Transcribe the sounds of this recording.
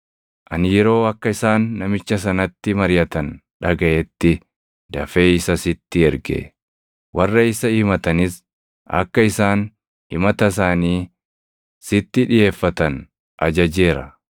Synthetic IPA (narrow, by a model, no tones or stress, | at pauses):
ʔɐnjɛɾo̞ːɐkːɐɪsaːnːɐmɪt͡ʃːɐs̬ɐnɐt̪ːɪmɐɾɪjɐt̪ɐnᶑɐɡɐʔɛt̪ːɪ | d̪ɐfe̞ːɪsɐsɪt̪ːɪɛɾɡḛ | wɐrːɐɪsɐiːmɐt̪ɐnɪs | ʔɐ̰kːɐɪsaːn | hɪmɐt̪ɐs̬aːniː | sɪt̪ːɪᶑɪje̞ːfːɐt̪ɐn | ʔɐd͡ʒɐd͡ʒe̞ːɾɐ̰